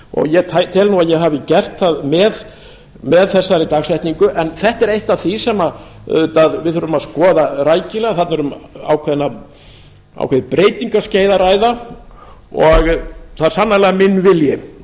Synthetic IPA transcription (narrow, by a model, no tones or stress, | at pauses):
ɔ̰ɣjɛt̪ʰat̪ʰɪlnuaðjɛɦavɪcɛr̥t̪θaðmɛð | mɛðθɛsːaɾɪt̪aɣsajht̪niŋkʏʔɛnθɛht̪ɛɾejht̪avθisɛma | t̪aðvɪðhœɾʏmaðskɔːðaraːjcɪlɛɣaθat̪nɛɾʏma̰ːwkʰvɛðnːa | a̰wkʰvɛðɪpɾeːjt̪iŋkasceːjðaɾaːjða | ɔɣθaðɾsanːalɛɣamɪnːvɪljɪ